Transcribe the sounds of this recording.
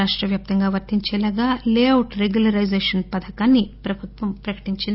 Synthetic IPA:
aːʂʈɾɐʋjaːp̚t̪ɐŋɡaːʋɐɾt̪iɲt͡ʃɛːlaːɡaːleːɐwʈɾeɡjulɐɾɐjd͡ʒeːʂɐnpɐd̪ʰɐkaːnːipɾɐbʱut̪ʋɐmpɾɐkɐ̥ʈiɲt͡ʃind̪

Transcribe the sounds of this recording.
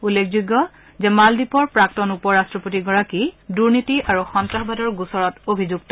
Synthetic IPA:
ulːekʰzuɡːɔ | zɛmaldipɔɹpɹak̚tɔnupɔɹastɹɔpotiɡɔɹakiduɹnitiʔaɹuxɔntaɦbadɔɹɡusɔɹɔtobʱizuɡtɔ

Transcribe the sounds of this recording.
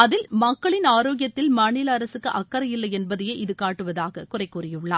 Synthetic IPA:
ɐðɪlmɐkːɐɭɪnaːɾoːɡɪjɐt̪ːɪlmaːɳɪlɐɐɾɐsɯkːɯʔɐkːɐɾɐjɪlːɐɪjɛnbɐðɐjeːʔɪðɯkaːʈːɯʋɐðaːɣɐkʊrɐɪkːuːrɪjɯɭːa̰ː

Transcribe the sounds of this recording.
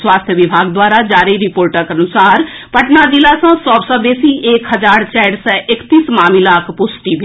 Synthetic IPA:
swaːst̪ʰjəʋɪbʱaːɡd̪waːɾad͡ʒaːɾiɾɪpoːɾʈəkɐnʊsaːɾ | pəʈnad͡ʒɪlasãsɔːbsɔbeːsiʔeːkɦəd͡ʒaːɾt͡ʃɛːɽsɛʔɪkt̪iːsmaːmilaːkʰpʊsʈibʱe

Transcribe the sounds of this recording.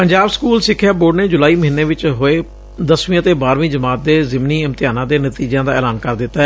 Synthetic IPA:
pəɲd͡ʒaːbskuːlsɪkʰːjaːboːɖneːd͡ʒʊlaːiːməɦɪnːeːʋɪt͡ʃɦoːeː | d̪əsʋĩət̪eːbaːɾʋĩːd͡ʒəmaːt̪̚d̪eːzɪmniːɪmt̪ɪjaːnãːd̪eːnət̪iːd͡ʒjãːd̪aːɛːlaːnkəɾd̪ɪt̪ːaɛ

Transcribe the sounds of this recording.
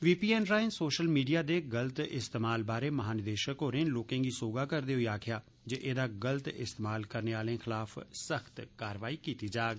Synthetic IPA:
ʋiːpiːɛːnɾaːɪnsoːʃəlmiːɖijaːd̪eːɡələt̪ɪst̪eːmaːlbaːɾeːməɦaːnɪd̪eːʃəkoːɾẽːnloːkẽːɡiːsoːɡaːkəɾd̪eːɦʊiːaːkʰɪjaː | d͡ʒeːʔeːd̪aːɡələt̪ɪ̰st̪eːmaːlkəɾneːaːlẽːxʰɪlaːfʰsəxt̪kaːɾəʋaːiːkiːt̪iːd͡ʒaːɡ

